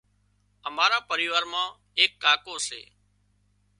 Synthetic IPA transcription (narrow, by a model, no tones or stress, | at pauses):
əmaːɾaːpəɾiːʋaːɾmãː | eːkːaːkoːsḛː